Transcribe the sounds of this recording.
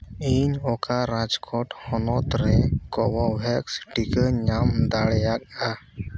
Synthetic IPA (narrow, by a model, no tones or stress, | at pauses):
iɲɔkaɾad͡ʒkʰɔʈhɔnɔt̪ɾɛkɔwɔwɛksʈikəɲamd̪aɽɛjak̚a